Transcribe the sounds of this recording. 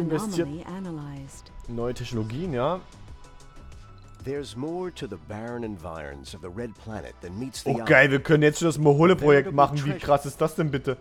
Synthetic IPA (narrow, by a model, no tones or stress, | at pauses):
ɪnvɛsstʰiːɐʔænəlaɪzdnːɔʏətʰɛçnoloɡiːənjaː | ðə˞zmɔɹɾɨðəbæɹə̃nɨ̃ɱva̰ɪɹɨ̰̃nzʌvðəɹɛd̚pʰl̥æ̰nɨ̰t̪̚ðɨ̃n̚mitsðʔoɡ̥aɪlviːɐkʰœnənjɛt͡stʃondasmoɦoləpʁ̥ojɛk̚tmaχn̩viːkʁ̥asɪst̚d̥asd̥ɛnbɪtə